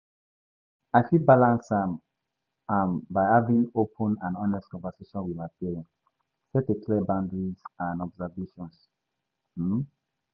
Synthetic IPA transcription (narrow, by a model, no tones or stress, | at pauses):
aɪfibalãnsãm | ambaɪhavĩŋopʰə̃nãnɔ̃nɛstkɔ̃nvɛseʃɔ̃nwimapiɹɛ̃n | fɛtekʰlɛbãndɹizãnɔbzɛveʃɔ̃ns̩